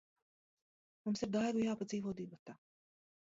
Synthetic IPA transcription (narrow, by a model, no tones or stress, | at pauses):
mumsiɾd̪ajɡujaːpad̪ziːvɔd̪ibɔt̪aː